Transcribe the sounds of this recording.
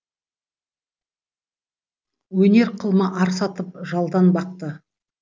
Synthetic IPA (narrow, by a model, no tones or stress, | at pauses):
wɵne̞ɾqʰəlˠməʔɑɾsɑt̪əp̚ʒɑlˠd̪ɑnbɑq̚t̪ə